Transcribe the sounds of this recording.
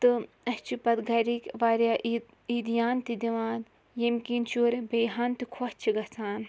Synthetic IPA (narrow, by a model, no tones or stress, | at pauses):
t̪ɨ | ɐst͡ʃʰipɐt̪ɡɐɾikʲʋaːɾjaʔ | iːd̪ijaːnt̪id̪iʋãːd̪ | jemkint͡ʃuːɾebejɦaːnt̪ikʰot͡ʃʰiɡɐt͡saːn